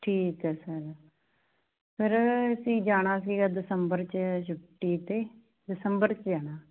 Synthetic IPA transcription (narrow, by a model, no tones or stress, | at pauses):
ʈʰiːkɦɛːsəɾ | pʰɪɾəsĩːd͡ʒaːɽ̃aːsiːɡaːd̪ɪsəmbəɾt͡ʃəʃ̬ʊʈːiːt̪eː | d̪ɪsəmbəɾt͡ʃd͡ʒaːɽ̃aː